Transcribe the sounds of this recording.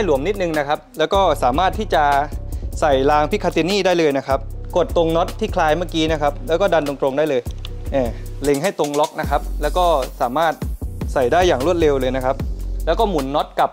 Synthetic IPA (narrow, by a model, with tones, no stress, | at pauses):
ha˥˩jlu˨˩˦əmni˦˥t̪̚nɯ˧ŋna˦˥kʰa˦˥p̚lɛː˦˥wkɔː˥˩saː˩˦maː˥˩t̪ʰːiː˥˩t͡ɕa˨˩sa˨˩jlaː˧ŋpʰi˦˥kʰa˧t̪i˧˥niː˥˩daː˥˩jlɤː˧jna˦˥kʰa˦˥p̚ko˨˩t̪ːo˧ŋnɔ˦˥t̪ʰːiː˥˩kʰlaː˧jmaː˥˩kiː˦˥na˦˥kʰa˦˥p̚lɛː˦˥wkɔː˥˩da˧ndo˧ŋt̪ɾo˧ŋdaː˥˩jlɤː˧j | ʔɛː˨˩ | le˧ŋɦa˥˩jt̪o˧ŋlɔ˦˥k̚na˦˥kʰa˦˥p̚lɛː˦˥wkɔː˥˩saː˩˦maː˥˩t̪̚sa˨˩jdaː˥˩jːaː˨˩ŋɾu˥˩ət̪̚le˧wlɤː˧jna˦˥kʰa˦˥p̚lɛː˦˥wkɔː˥˩mu˨˩˦nːɔ˦˥t̪̚ka˨˩p̚